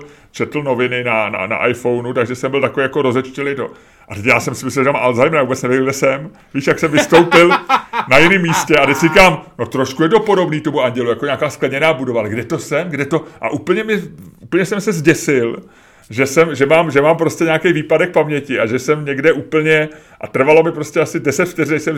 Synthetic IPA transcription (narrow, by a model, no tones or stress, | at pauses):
t͡ʃɛt̪l̩no̞vɪnɪnana̰na̰ʔajfo̞wnut̪aɡʒɛsɛmbɪlt̪akoejakoɾo̞zɛt͡ʃcɛlɪt̪o̞̰ | ʔat̪ɛcjaːsɛmsɪmɪsɛʒɛamʔalzajmɛavubɛt͡snɛvɪjɡʒɛsɛm | viːʃjaksɛmvɪst̪owpɪlnajɪnɪmːiːscɛat̪ɛcs̝ikaːmno̞t̪ɾoʃkujɛt̪o̞po̞do̞bniːt̪o̞muaɲɟɛlujakoɲaːkaːsklɛdɲɛnaːbudovalɛɡdɛt̪o̞sɛmɡdɛt̪o̞ʔa̰ʔupl̩ɲɛmɪuːpl̩ɲɛsɛmsɛzɟɛsɪl | ʒɛsɛmʒɛmaːmʒɛmaːmpɾoscʲɛɲaːkejviːpadɛk̚pamɲɛcɪʔaʒɛsɛmɲɛɡdɛʔuːpl̩ɲɛ | ʔa̰t̪r̩valo̞mɪpɾo̞scɛasɪdɛsɛt̪ft̪ɛrnɛʃsɛm